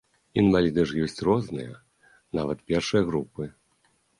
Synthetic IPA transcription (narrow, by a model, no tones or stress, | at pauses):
invalʲid̪ɛʂjɔsʲt͡sʲrɔznɨ̰jɐ | navɐt̪pʲɛrʂɨjɐɣɾupɨ